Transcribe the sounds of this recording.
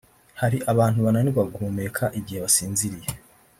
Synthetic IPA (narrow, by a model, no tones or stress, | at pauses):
haɾiʔaβaːnhuβananiβaɡuːme̞kʰaʔiɟihe̞βasiːnziɾije